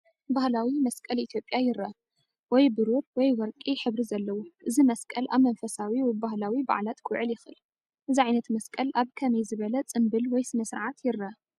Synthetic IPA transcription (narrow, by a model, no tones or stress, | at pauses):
bahlawimɐskʼɐlʔit̪ʰjo̞pʼjajɪɾɐ | wɔjbɨɾuɾwɔjwɔɾkʼiħɨβɾizɐlːɐwuʔɨzimɐskʼɐlʔaβmɐnfɐsawiwɔjbahlawiba̰ʕlat̪kʰɨʕɨljɪxɨl | ʔɨziʕajnɐt̪mɐskʼɐlʔaβkʰɐmɐjzɨβɐlɐt͡sʼɨmbɨlwɔjsɨnɐsɨɾʕat̪ʰjɪɾːɐ